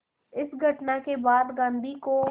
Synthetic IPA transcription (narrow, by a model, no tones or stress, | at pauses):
ɪsɡʱɐʈnakebaːd̪ɡãːnd̪iko